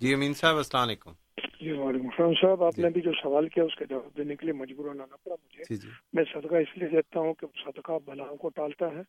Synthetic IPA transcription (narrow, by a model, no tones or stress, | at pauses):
d͡ʒiːɐmiːnsaːbɐslaːmleːkṵm | d͡ʒiːʋaːleːkʊ̃mʃaːnsaːbaːpneɐbʱid͡ʒoːsɐʋaːlkijaʊsked͡ʒaʋaːb̚d̪eːnekeliemɐd͡ʒbuːɾananɐpɐɽamʊd͡ʒʱemɛ̃ːsɐd̪kaɪslied̪eːt̪aɦũkesɐd̪ʱkabɐlaːõkoʈaːlt̪aɦɛː